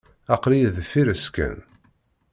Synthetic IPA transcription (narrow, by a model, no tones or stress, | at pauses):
ɑqlijðfiɾəskæ̰n